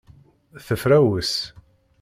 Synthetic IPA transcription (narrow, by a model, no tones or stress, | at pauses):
θəfɾæwəs